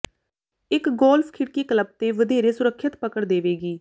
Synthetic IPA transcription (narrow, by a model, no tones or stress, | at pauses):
ɪkɡɔːlpʰkʰɪɽkiːkələb̚t̪eːʋəd̪eːɾeːsʊɾəkʰːət̪pəkəɽd̪eːʋeːɡiː